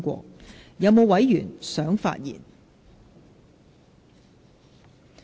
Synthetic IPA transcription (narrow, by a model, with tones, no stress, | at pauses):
kʷɔ̰ː˧jɐ˨˧wmo˨˧wɐ˨˥jjy̰ː˨˩nsœː˨˥ŋfa̰ː˧t̚jḭː˨˩n